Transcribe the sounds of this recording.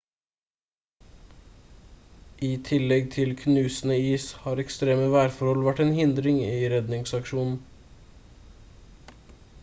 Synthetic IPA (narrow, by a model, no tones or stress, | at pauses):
ʔiːt̪ʰɪlɛɡ̚t̪ʰɪlkʰnʉːsn̩əiːshɑːɾɛkst̪ɾeːməʋæːɾfɔɾhɔlʋæʈeːnhɪnd̪ɾɪŋiːɾɛd̪nɪŋsɑkʃuːnn̩